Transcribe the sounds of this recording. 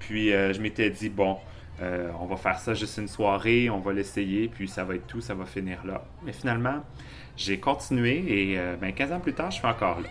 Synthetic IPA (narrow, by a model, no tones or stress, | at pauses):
pʰɥiøʒəmet̪ɛd̪ibɔ̃ | øɔ̰̃vafɛːʁsaʒʏst̪ynswaːʁeɔ̃valesejepʰɥisavaɛt̪ːusavafiniːʁla | mɛfinalmɑ̃ | ʒekɔ̃t̪inyeeøbɛ̃kʲɛ̃ːzɑ̃plyt̪aːʁʒəsɥiɑ̃kɔːʁla̰